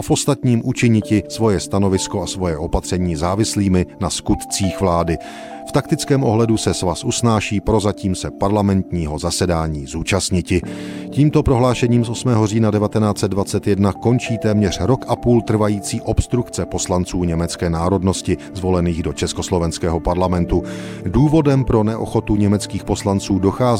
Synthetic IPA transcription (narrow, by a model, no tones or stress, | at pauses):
ʔafʔo̞st̪at̪ɲiːmʔut͡ʃɪɲɪcɪsvo̞jɛst̪ano̞vɪskoʔasvo̞jɛʔo̞pat̪r̝̥ɛɲiːzaːvɪsliːmɪnaskut̪t͡siːxvlaːdɪ | ft̪akt̪ɪt͡skɛːmʔo̞ɦlɛdusɛsvasʔusnaːʃiːpɾo̞zaciːmsɛpaɾlamɛnt̪ɲiːɦo̞zasɛdaːɲiːzuːt͡ʃast̪ɲɪcɪciːmt̪o̞pɾo̞ɦlaːʃɛɲiːmsʔo̞smɛːɦoriːnadɛvat̪ɛnaːt͡sɛd̪̚dvat͡sɛt̪jɛdnako̞nt͡ʃiːt̪ɛːmɲɛr̝̥ɾo̞kʔapuːlt̪r̩vajiːt͡siːʔo̞pst̪ɾukt͡sɛpo̞slant͡suːɲɛmɛt͡skɛːnaːɾo̞dno̞scɪzvo̞lɛniːɣdo̞t͡ʃɛsko̞slo̞vɛnskɛːɦo̞paɾlamɛnt̪uduːvo̞dɛmpɾo̞nɛʔo̰xo̞t̪uɲɛmɛt͡skiːxpo̞slant͡suːdo̞xaːz